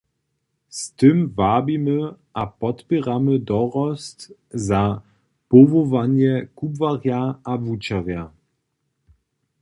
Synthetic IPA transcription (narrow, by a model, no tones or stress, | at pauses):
st̪ɨmvabiməʔapɔtpʲɛʁamədɔʁɔstza | povɔvanjɛkubvaʁjaʔavut͡ɕaʁja